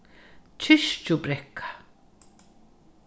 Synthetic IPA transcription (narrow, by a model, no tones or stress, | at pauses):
t͡ʃʰɪʃt͡ʃʊbɾɛkʰːḁ